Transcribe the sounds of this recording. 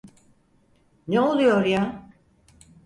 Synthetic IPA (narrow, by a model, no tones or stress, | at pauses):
neo̞lˠujo̞ɾja